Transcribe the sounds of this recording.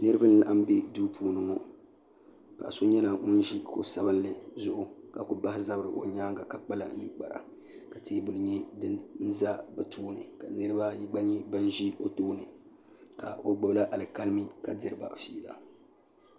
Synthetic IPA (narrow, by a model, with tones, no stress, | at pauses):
nɨ˦ɾɨ˦ba˦n˦la˦ʔa˦mbe˦duː˦pʰuː˦nɨ˦ŋɔ˦ | ka̰˨so˦ɲɛ˦la˨ŋʊ˦n˦ʒi˦ko˨sa˦bɨ˦n˦lɨ˨zʊ˦ʔʊ˦ka˨kʊ˨ba˦hɪ˦za˦bɾɨ˨ʔo˨ɲaː˦ŋɡa˨ka˨k͡pa˦la̰˨ni˦k͡pa˨ɾa̰˨ | ka˨teː˦bʊ˨lɨ˦ɲɛ˦dɨ˦n̩˦za˦ba˨tʰoː˦nɨ˨ka˨nɨ˦ɾɨ˦ba˦ji˦ɡ͡ba˦ɲɛ˦ba˦n˦ʒi˦ʔo˦toː˦nɨ˨ | ka̰˨o˦ɡ͡bʊ˦bla˦ʔa˨lɨ˨ka˦lmi˦ka˨dɨ˨ɾɨ˦ba̰˨fiː˦˨la̰˨